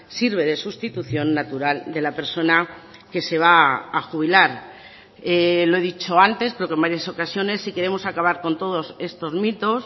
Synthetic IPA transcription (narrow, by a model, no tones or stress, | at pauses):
siɾβe̞ð̞e̞sust̪it̪uθjo̞nːat̪uɾald̪e̞lape̞ɾso̞na | ke̞se̞β̞aaxuβ̞ilaɾ | elo̞e̞ðit͡ʃo̞ant̪e̞skɾeoke̞mbaɾjaso̞kasjo̞ne̞sːike̞ɾe̞mo̞sakaβ̞aɾko̞nt̪o̞ð̞o̞se̞st̪o̞zmit̪o̞s